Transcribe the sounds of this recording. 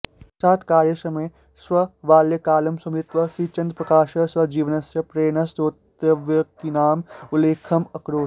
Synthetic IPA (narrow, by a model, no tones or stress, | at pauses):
saːt̪kaːɾjəsɐmeː | swɐʋaːljəkaːlɐmsɐmɪt̪ʋɐsiːt͡ʃɐ̃nd̪pɾɐkaːʃɐswɐd͡ʒiːʋənɐsjɐpɾeːnɐst̪ot̪ | ɐʋjɐkinaːmʊleːkʰɐmɐkɾoː